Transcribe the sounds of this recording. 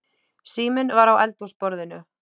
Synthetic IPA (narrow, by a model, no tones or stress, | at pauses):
siːmɪnvaɾawɛlt̪uspɔɾðɪnʏ